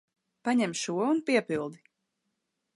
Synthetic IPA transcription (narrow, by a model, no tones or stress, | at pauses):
paɲɛmʃuɔunpiɛpilˠd̪i